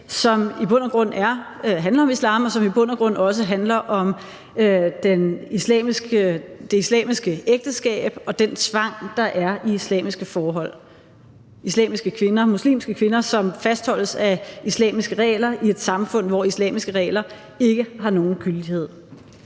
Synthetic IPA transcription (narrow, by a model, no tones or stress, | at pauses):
sɒ̽mib̥ɔ̽n̰ɐɡ̥ʁɔ̽n̰æɐ | ɦænlɐɒ̽mislɑ̰̈ːmɒ̽sɒ̽mib̥ɔ̽n̰ɐɡ̥ʁɔ̽nɒ̽s̬əɦænlɐʔɒ̽m | d̥enislɛ̰ːmisɡ̥əd̥e̝islɛ̰ːmisɡ̥əeɡ̥̚d̥əsɡ̥ɛ̰ːb̥ɒ̽d̥ent͡sʰʋɑ̈ŋ̰d̥ɑ̈ʔæɐiislɛ̰ːmisɡ̥əfɒːɦɒ̽l̰ | islɛ̰ːmisɡ̥əkʰʋe̝nɐmuslḭːmsɡ̥əkʰʋe̝nɐsɒ̽mfæsd̥hɒ̽l̰əsæislɛ̰ːmisɡ̥əʁɛ̰ːlɐʔie̝d̥sɑ̈mfɔ̽n̰ʋɒislɛ̰ːmisɡ̥əʁɛ̰ːlɐ | e̝ɡ̥əɦɑ̈no̝ːn̩ɡ̥yld̥ihe̝ð̞̰ˠ